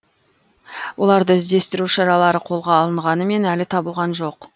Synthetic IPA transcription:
wʔo̞lˠɑɾd̪əɪzd̪e̞st̪ɪɾuʃɑɾɑlˠɑɾəqʰo̞lˠʁɑːlˠəɴʁɑnəme̞nælɪt̪ʰɑbəlˠʁɑnʒo̞q

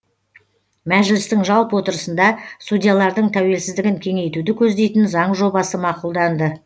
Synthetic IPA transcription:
mæʒɪlɪst̪ɪŋʒɑlˠpwo̞t̪əɾəsənd̪ɑst̪udʲijalˠɑɾd̪əɴt̪ʰæwe̞lsɪzd̪ɪɡʲɪŋkʲʰe̞ŋe̞jt̪ud̪ɪkʲʰɵzd̪e̞jt̪ɪnzɑɴʒo̞bɑsəmɑqulˠd̪ɑnd̪ə

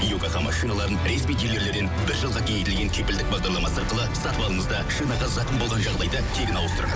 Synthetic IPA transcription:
ijokɑʁɑmɑ̰ʃinɑlˠɑɾənɾesmij̪e̞ɾle̞ɾle̞ɾd̪e̞nbɪɾʒəlˠʁɑkʲʰejet̪ɪlɡʲe̞ŋkʲʰɵpɪld̪ɪk̚bɑʁd̪ɑɾlˠɑmɑsəɑɾqəlˠəsɑt̪əbɑlˠəɴəzd̪ɑʃinɑʁɑzɑqəmbo̞lˠʁɑnʒɑʁd̪ɑjd̪ət̪ʲʰe̞ɡʲɪnɑwəst̪əɾə

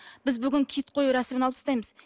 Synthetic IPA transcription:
b̥ɪzbʏɡʲɪŋkʲʰit̪̚qʰo̞juɾɑsɪmɪnɑlˠt̪ə̥st̪ɑjməz

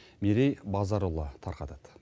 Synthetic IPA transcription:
meɾejbɑzɑɾolˠət̪ʰɑɾqɑt̪ɑd̪̥

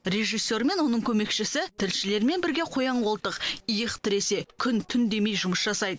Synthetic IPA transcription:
re̞ʒijsːe̞ɾme̞nwo̞nəɴkʲʰɵme̞kʃɪsɪt̪ʰɪlʃɪle̞ɾme̞nbɪɾɡʲeqʰojɑɴolˠt̪əqijəqt̪ʰɪɾe̞se̞kʲʰʏnt̪ʰʏnd̪e̞me̞jʒʊməsʒɑsɑjd̪ə

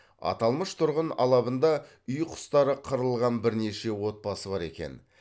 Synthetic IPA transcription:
ɑ̰t̪ɑlˠməʃt̪ʰʊɾʁənɑ̰lˠɑβənd̪ɑ | ʏjqʰʊ̥st̪ɑɾəqʰəɾəlˠʁɑnbɪɾne̞ʃe̞wo̞t̪̚pɑsəbɑɾe̞̰kʲe̞̰n

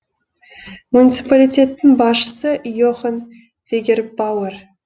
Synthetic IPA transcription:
munʲit̪sɨpalʲijt̪ʲe̞t̪ːɪŋbɑsʃə̥səʔjoχən | vʲeɡʲerbawer

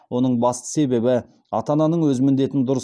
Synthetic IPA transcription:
wo̞nəɴbɑst̪ə̥se̞be̞bɪ | ɑt̪ɑnɑnəɴwɵzɪmɪnd̪e̞t̪ɪnd̪ʊɾəs

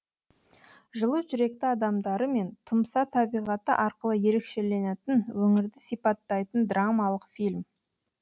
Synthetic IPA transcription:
ʒəlˠəsʒʏɾe̞k̚t̪ɪɑd̪ɑmd̪ɑɾəme̞nt̪ʰʊmsɑt̪ʰɑbijʁɑt̪əʔɑɾqəlˠəje̞ɾe̞kʃe̞le̞net̪ɪnwɵŋɪɾd̪ɪsijpɑt̪ːɑjt̪ənd̪ramɑlˠəqfilʲm

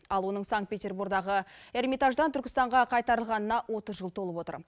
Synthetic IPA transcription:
ɑlˠwo̞nəɴsaŋ̚t̪̚pʲe̞t̪ʲe̞rbuɾɡd̪ɑʁəe̞rmijt̪ɑʒd̪ɑnt̪ʰʏɾkʲɪ̥st̪ɑɴʁɑqʰɑjt̪ɑɾəlˠʁɑnənɑwʔo̞t̪əzʒəlˠt̪ʰo̞lˠəpwo̞t̪ə̰ɾ

